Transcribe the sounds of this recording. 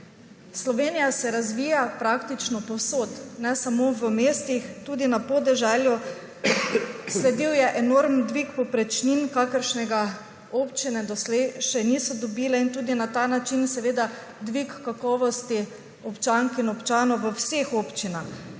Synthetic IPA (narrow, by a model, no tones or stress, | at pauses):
slɔʋeːnijasɛɾazʋiːjapɾakt̪it͡ʃnɔpɔwsot̪nɛsamoʋəmeːst̪ixt̪uːd̪inapɔd̪ɛʒɛlju | slɛd̪iwjɛʔɛnoɾmnd̪ʋikpɔpɾɛt͡ʃninkaːkəɾʃnɛɡa | oːpt͡ʃinɛd̪ɔslɛɪʃɛniːsɔd̪ɔbiːlɛint̪uːd̪inat̪aːnat͡ʃinsɛʋeːd̪a | d̪ʋikːakɔːʋɔst̪i | ɔpt͡ʃaŋkinɔpt͡ʃaːnɔwʋəwsexoːpt͡ʃinax